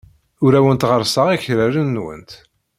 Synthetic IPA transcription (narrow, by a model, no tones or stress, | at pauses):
ʊɾæwənt̪ʁəɾsəʁiçɾæɾənːwə̰nt̪